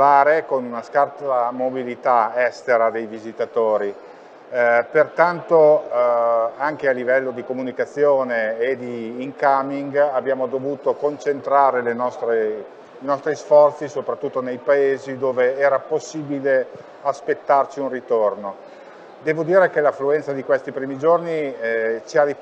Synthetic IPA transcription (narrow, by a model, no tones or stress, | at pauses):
aːɾekonunaskart̪amobilit̪aɛst̪eɾad̪ejvizit̪at̪oːɾi | pert̪ant̪o | aŋk̟ealːivɛlːod̪ikomunikat̪sːjoːneːd̪iːŋkamiŋɡabjaːmod̪ovuːt̪okont͡ʃent̪ɾaːɾelenɔst̪ɾe | inɔst̪ɾisfɔrt̪sisopɾat̪ːut̪ːonejpaeːzid̪oːveɛːɾaposːibile | aspet̪ːart͡ʃiunrit̪orno | d̪ɛːvod̪iːɾekelafluɛnt̪sad̪ikwest̪ipɾiːmid͡ʒornit͡ʃiari